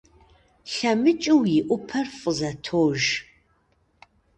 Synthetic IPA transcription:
ɬɐmɨt͡ʃʼɪwjɪʔʷʊpʰɐrfʼəzɐtʰoːʒ

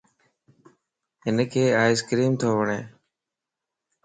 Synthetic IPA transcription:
ɦɪnkʰeːaːɪskɾiːmt̪ʰoːʋəɳẽː

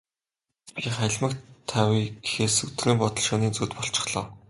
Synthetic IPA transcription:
pʲiːχæɮʲmə̆k̪ʰːæwʲiːɡexeːsɵt̪̆rɘ̆ːmpɔt̪ɞ̆ɮʃoːniːnt͡suːt̪pɔɬt͡ɕɪ̆χɮɞː

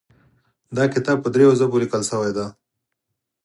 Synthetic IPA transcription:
d̪ɑkɪt̪ɑːb̚pːəd̪ɾejozəbolikəlsəwajd̪a

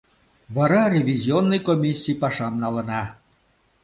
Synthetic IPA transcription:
βɑɾɑrʲevʲizʲionːɤjkomʲisʲːijpɑʃɑmnɑlə̆nɑ

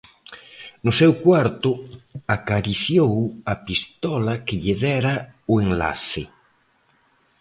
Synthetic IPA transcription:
nʊsɛwkwaɾt̪ʊakaɾiθjowɐpist̪ɔlɐkɪʎeðɛɾɐʊeŋla̰θɪ

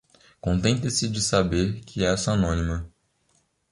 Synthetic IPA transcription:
kõnt̪ẽnt̪esɪd͡ʒɪsabeɾkʰɪɛsanõnimɐ

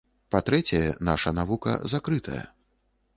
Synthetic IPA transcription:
pat̪ɾɛt͡sʲɐjɛnaʂɐnavukɐ̰zakɾɨt̪ʰɐjɐ̰

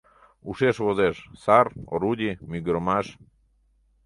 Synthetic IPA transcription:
uʃeʃβozeʃsaɾo̰ɾud̪ʲimiɡɾomaʃ

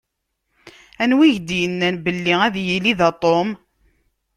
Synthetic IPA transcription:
ænwiʝd̪jənːænbəlːiæðjiliðɑt̪ˤom

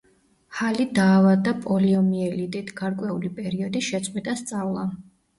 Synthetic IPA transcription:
halid̪aːvad̪apʼɔliɔmiɛlit̪ʼit̪ʰɡaɾkʼwɛulipʼɛɾiɔd̪iʃɛt̪sʼqʼwit̪ʼast̪sʼavlˠa

